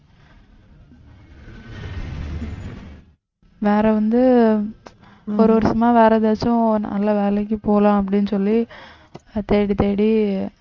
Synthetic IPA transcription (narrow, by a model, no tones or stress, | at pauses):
ʋeːɾɛʋɐnd̪ɯ | ɔɾɯʋɔɾsɐmaːʋeːɾɐðeːsʊ̃nɐ̰lːɐʋeːlɛk̬ːɯpoːlãːɐp̬ːɐɽɪnːɯsɔlːi | t̪eːɽit̪eːɽi